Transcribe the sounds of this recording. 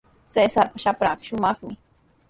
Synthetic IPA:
sesaɾpaʃapɾɑɢɑʃʊmɑχmɪ

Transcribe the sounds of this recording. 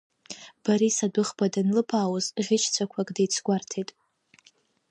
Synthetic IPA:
b̥aɾisadɨχbadanlɨpʰaːwʊzʁʲɪt͡ʃʰt͡sʷʰakʷʰakʼdejt͡sʷʰɡʷartʰejtʼ

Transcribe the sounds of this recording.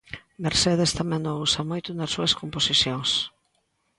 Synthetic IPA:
meɾseðest̪amɛ̃nousɐmojt̪ʊnɐsːuɐskomposiθjoŋs

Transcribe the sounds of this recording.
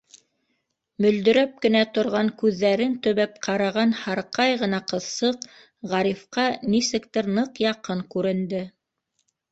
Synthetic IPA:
mɵ̆ld̪ɵ̆ɾæp̚kɘ̆næt̪ŏɾʁɑŋkʉðːæɾɘnt̪ɵ̆βæp̚qʰɑɾɑʁɑnhɑɾqɑjʁɤ̆nɑqɤ̆ðsɤq | ʁɑɾifqɑnisɘ̆kt̪ɘɾnɤqjɑqɤŋkʉɾɘ̆nd̪ɘ

